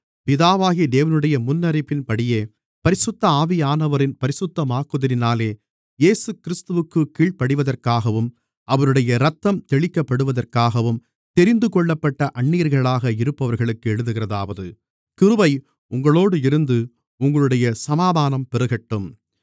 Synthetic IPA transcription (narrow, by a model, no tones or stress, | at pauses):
pɪðaːʋaːɣid̪eːʋɐnɯɽɐjɐmʊnːɐɾɐɪpːɪnpɐɽɪjeː | pɐɾɪsɯt̪ːɐaːʋɪjaːnɐʋɐɾɪnpɐɾɪsɯt̪ːɐmaːkːɯðɐɾɪnaːleː | jeːsɯkɪɾɪst̪ɯʋɯkːɯkːiːɭpɐɽɯʋɐðɐrkaːɣɐʋɯm | ɐʋɐɾɯɽɐjɐɾɐt̪ːɐmt̪ɛɭɪkːɐpːɐɽɯʋɐðɐrkaːɣɐʋɯm | t̪ɛɾɪnd̪ɯkɔɭːɐpːɐʈːɐʔɐɳːiːɐɾɣɐɭaːɣɐɪɾɯpːɐʋɐɾɣɐɭɯkːɯɛɻɯðɯɣɪrɐðaːʋɐðɯ | kɪɾɯʋɐɪ | ʊŋɡɐɭoːɽɯɪɾɯnd̪ɯ | ʊŋɡɐɭɯɽɐjɐsɐmaːðaːnɐmpɛɾɯɣɛʈːɯm